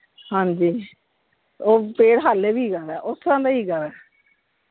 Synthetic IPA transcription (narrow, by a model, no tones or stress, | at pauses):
hãːɲd͡ʒiː | oːpeːɽɦaːleːbiːɡəɾɛːʔʊsɾãːd̪aːiːɡəɾɛː